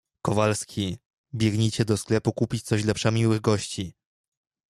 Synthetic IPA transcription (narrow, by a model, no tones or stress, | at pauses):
kɔvalskʲʰi | bʲjɛɡɲit͡ɕɛd̪ɔsklɛpukupʲit͡ɕt̪sɔɕ̬lɛpʂamʲiwɘɣɡɔɕt͡ɕi